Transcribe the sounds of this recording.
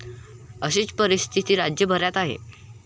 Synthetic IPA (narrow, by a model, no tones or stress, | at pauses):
əɕiːt͡spəɾist̪ʰit̪iːɾad͡ʑjəbʱəɾjat̪aɦḛ